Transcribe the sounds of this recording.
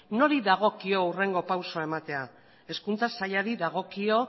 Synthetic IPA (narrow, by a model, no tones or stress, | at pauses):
no̞ɾiðaɣ̞o̞kio̞ure̞ŋɡo̞pawso̞aemat̪e̞a | e̞skunt͡sasaʎaɾiðaɣ̞o̞kio̞